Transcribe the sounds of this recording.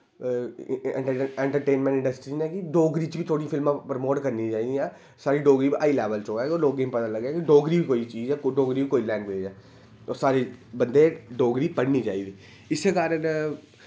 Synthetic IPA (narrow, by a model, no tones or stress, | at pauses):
ɛ̰̃ɳʈəɛ̃ːɳʈəɾʈeːnmɛ̃ɳʈɪ̃ɳɖəsʈɾiːnɛ̃ːkiɖoːɡɾiːt͡ʃbit̪ʰoːɽĩfɪlmãːpɾmoːʈkəɾnit͡ʃaːid̪iɛː | saːɾiɖoːɡɾiːbiʔaːilɛːʋəlt͡ʃoːɛːoːloːɡeːmpət̪ãləɡɛːkiɖoːɡɾibikoːit͡ʃiːzɛːkɖoːɡɾiːbikoːilɛ̃ːŋɡʋeːd͡ʒɛː | osaːɾibə̃nd̪eɖoːɡɾiːpəɽnid͡ʒaːiːd̪iː | ɪsekaːɾən